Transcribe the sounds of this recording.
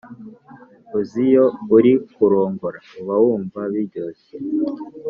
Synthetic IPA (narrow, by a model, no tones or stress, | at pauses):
uzijouɾikuɾoːŋɡoɾauβawuːɱvaβiɾɟoːse